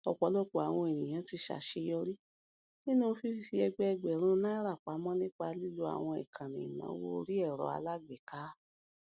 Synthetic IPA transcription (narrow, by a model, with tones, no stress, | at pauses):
ɔ˨k͡pɔ˨˦lɔ˦˨ko˨a˨w̃ɔ̃˧e˨nĩ˨j̃ã˨˦ti˧ʃa̰˨ʃe˧jɔ˧ɾi˦ | nĩ˦nũ˦˧fi˦i˧fi˧˦ɛ˧ɡ͡bɛ˧ɛ˧ɡ͡bɛ˨ɾ̃ũ˦nãː˦ɾa˦˨k͡pa˨˦mɔ̃˦nĩ˦k͡pa˧li˦lu˧a̰˨w̃ɔ̃˧ɛ̰˨kʰã˨nĩ˨i˨nã̰˨˦wo̰˦˧ɾi˦ɛ˦˨ɾɔ̰˨˦a̰˧la˦ɡ͡bɛ˨ka˨˦